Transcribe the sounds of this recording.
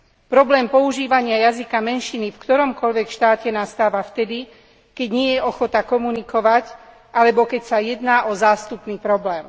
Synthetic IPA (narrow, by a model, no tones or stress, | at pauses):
pɾɔblɛːmpɔuʒiːʋaɲɪajazikamɛnʃinifkt̪ɔɾɔmkɔʎʋɛkʃt̪aːcɛnast̪aːʋaft̪ɛd̪i | kɛɟɲɪɛjɛɔxɔt̪akɔmunikɔʋac | ʔalɛbɔkɛcsajɛd̪naːʔɔzaːst̪upniːpɾɔblɛːm